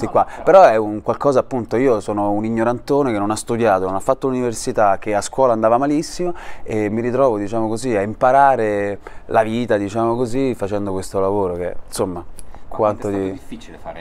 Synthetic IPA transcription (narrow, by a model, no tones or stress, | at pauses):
sikːwapeɾɔɛuŋkwalkɔːzaːpːunt̪oiːosɔːnouniɲːoɾant̪oːnekenːonast̪ud̪jaːt̪ononafːat̪ːoluniversit̪ak̟ːeaskwɔːlaːnd̪aːvamalisːimoemːiɾit̪ɾɔːvod̪it͡ʃaːmokoziaimpaɾaːɾe | laviːt̪ad̪it͡ʃaːmokozifat͡ʃɛnd̪okwest̪olavoːɾok̟ḛnsomːakwant̪od̪ifit͡ʃi